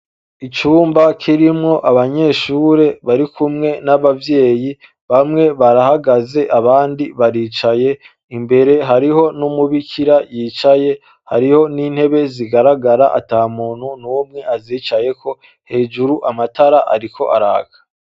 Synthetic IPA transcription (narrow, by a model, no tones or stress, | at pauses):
it͡ʃuːmbakʰiɾimŋo̞ʔaβaɲe̞ʃuːɾe̞βaɾikumŋe̞naβavje̞ːji | βamŋe̞βaɾahaɡaze̞ʔaβaːndiβaɾiːt͡ʃaje̞ | imbe̞ɾe̞ɦaɾiɦo̞numuβikʰiɾajiːt͡ʃaje̞ | ha̰ɾiho̞niːn̥he̞βe̞ziɡaɾaɡaɾaʔa̰taːumuːn̥unhuomŋe̞ʔaziːt͡ʃaje̞kʰo̞ | he̞ːd͡ʒuɾuʔamataɾaʔaɾikʰo̞ʔaɾaːɡḁ